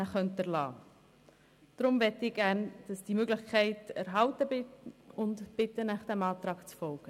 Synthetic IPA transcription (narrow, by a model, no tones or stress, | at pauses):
əχœntəɾlɑ̰ː | d̥ɾʊmvɛtːɪɡ̥æːɾnd̥ɑsd̥imøɡlɪχkʰæɪtɛɾɦɑltəbɪtʊntb̥ɪtənɛχd̥ɛmɑːt̪ɾɑːɡt͡sfɔlɡ̥ə